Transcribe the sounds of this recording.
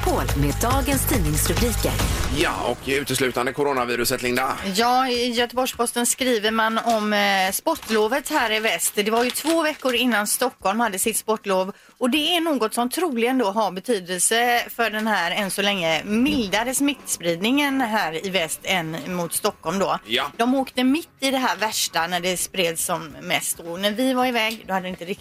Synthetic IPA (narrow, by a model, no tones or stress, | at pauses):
pʰoːlmeːd̪ɑːɡənst̪ʰiːnɪŋsɾɵbɾiːkə̰ɾjɑ̰ːɔ̰kʉ̟ːt̪əslʉ̟ːt̪and̪əkʰʊɾoːnaviːɾɵsət̪lɪŋd̪a̰jɑːɪjœt̪əbɔʂpʰɔst̪ənskɾiːvəɾmanɔmspɔʈːloːvət̪hæːɾɪvɛst̪d̪ɛvaɾjɵt̪ʰvoːvɛkːʊɾɪnːanst̪ɔkːɔlmhad̪ːəsɪt̪spɔʈːloːv | ɔd̪ɛæɳoːɡɔt̪sɔmt̪ʰɾuːlɪɡənd̪oːɦaɾbɛt̪ʰyːd̪əlsəfœɖɛnɦæːɾɛnsɔlɛŋːəmɪld̪aɾəsmɪt̪ːspɾiːd̪nɪŋənɦæːɾɪvɛst̪ɛnːmʊt̪st̪ɔkːɔlmd̪ɔːd̪ɔmoːkt̪əmɪt̪ːɪd̪ɛɦæːɾvæʂʈanæɖɛspɾeːd̪sɔmːɛst̪ɔnæɾvɪvaɾɪvɛːɡd̪ɔhad̪ːɛɪnt̪əɾɪ